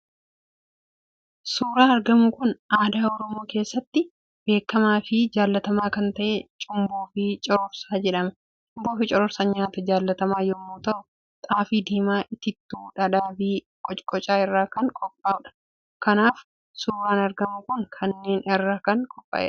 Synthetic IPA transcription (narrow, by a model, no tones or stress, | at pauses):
suːɾaːɐɾɡɐmʊkʊnʔaːd̪aːɔɾɔmo̞ːke̞ːsːɐt̪ːɪ | b̥e̞ːkːɐmaːfɪd͡ʒaːlːɐt̪ɐmaːkɐnt̪ɐʔet͡ʃʼʊmboːfɪt͡ʃʼɪɾɔɾsaːd͡ʒɛᶑɐmɛ | t͡ʃmboːfɪt͡ʃʼɪɾɔɾsɐɲaːt̪ɐd͡ʒaːlːɐt̪ɐmaːjɔmːoːt̪ɐʔʊ | t̪ʼaːfiːd̪iːmaːʔɪt̪ɪt̪ːuːᶑɐᶑaːbiː | kʼɔt͡ʃʼkʼɔt͡ʃʼaːɪrːaːkɐŋkʼɔpʼːaːʊᶑɐ̥ | kɐnaːf | suːɾaːnɐɾɡɐmʊkʊnkʰɐnːe̞ːnɪrːaːkɐŋkʼɔpʼːɐ̰ʔɛ̰